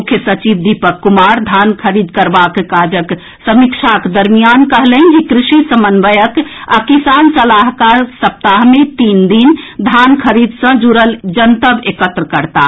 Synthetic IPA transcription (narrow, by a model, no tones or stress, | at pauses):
mukʰjəsət͡ʃib̚d̪ipəkːumaɾd̪ʱankʰəɾid̪kəɾbakkad͡ʒək | səmikt͡ʃʰakd̪əɾmijankəɦlənd͡ʒikɾisisəmənbəjəkakisansəlaɦkaɾsəp̚t̪aɦmet̪ind̪ind̪ʱankʰəɾid̪sə̃d͡ʒuɾəld͡ʒənt̪əbekət̪ɾəkəɾt̪a̰